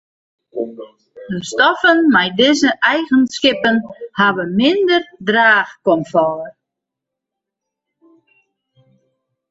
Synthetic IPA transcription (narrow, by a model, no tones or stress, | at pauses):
dəstɔfənmɛjdɪzəʔɛjɣənskɪpənhaʋəmɪndərdraːxkɔmfɔər